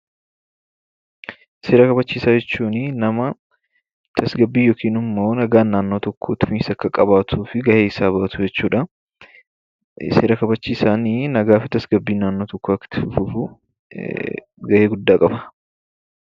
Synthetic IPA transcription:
se̞ːɾɐkɐbɐt͡ʃːiːsaːd͡ʒɛt͡ʃːuːnɪnɐmɐ | t̪ʰɐsɡɐbːiːjoːkiːnɪmːo̞ːnɐɡaːnːaːnːoːt̪ɔkʰːoːt̪ɪfɪnsɐkːɐkʼɐbaːt̪ʰuːfɪɡɐʔeːɪsaːbɐʔɐt̪ʊd͡ʒɛt͡ʃːuːᶑɐ | se̞ːɾɐkɐbɐt͡ʃːiːsaːniːnɐɡaːfɪt̪ɐsɡɐbːiːnaːnːo̞ːt̪ɔkːoɐkːɐ̥t̪ːɪfʊfʊfʊ | ɡɐʔe̞ːɡʊd̪ːaːkʼɐbɐ̥

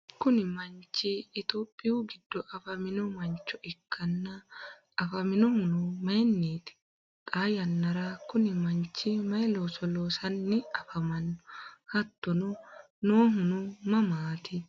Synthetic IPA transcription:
kʊnɪmɐnt͡ʃːɪːt̪oːpʼːɪjuɡɪd̪̥ːɔʔɐfɐmɪnɔmɐnt͡ʃːɔɪkʰːɐnːɐ | ɐfɐmɪnɔhʊnʊmɐjnːiːt̪ɪ̥ | tʼaːjɐnːɐɾakʊnɪmɐɲt͡ʃːɪmɐjloːsɔloːsɐnːɪɐfɐmɐnːɔhɐt̪ːɔnɔ | noːɦʊnʊmɐmaːt̪ɪ

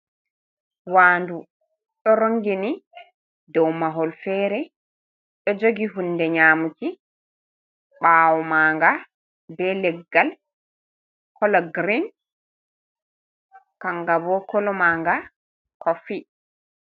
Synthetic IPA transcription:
waːndu | ɗɔɾoŋɡini | dɔwmaɦɔlfɛːɾɛ | ɗɔd͡ʒoɡiɦunːdɛɲaːmuti | ɓaːwɔmaːŋɡa | bɛlɛɡːal | kʰɔlɔɡɾin | kaŋɡabɔkɔlɔmaːŋɡa | kʰɔfi

